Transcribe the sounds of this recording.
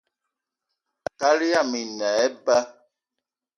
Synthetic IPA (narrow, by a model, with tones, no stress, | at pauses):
ka˦li˦ja˦˨mi˨nɛ˨ɛ˦ba˦